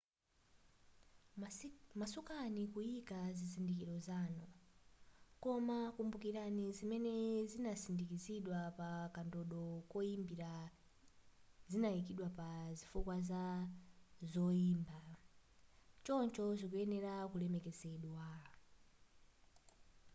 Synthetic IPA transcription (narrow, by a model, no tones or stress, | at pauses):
masukanikuikazizindikiɾɔzaːnɔ | kɔmakumbukiɾanizimɛnɛzinasindikiziɗwapakandɔɗɔkɔimbiɾa | zinaikiɗwapazifukwaza | zɔiːmba | t͡ʃɔnt͡ʃɔzikuɛnɛɾakulɛmɛkɛzɛɗwa